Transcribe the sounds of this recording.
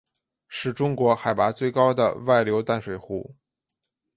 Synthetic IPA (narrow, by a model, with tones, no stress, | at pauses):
ʂɻ̩˥˩ʈ͡ʂʊ˥ŋkwɔ˧˥xa˨˩ɪpa˧˥t͡swe˥˩ɪkɑ˥ʊd̪ə̰˨wa˥˩ɪljo˧˥ʊt̪a˥˩nʂwe˨˩ɪxu˥˩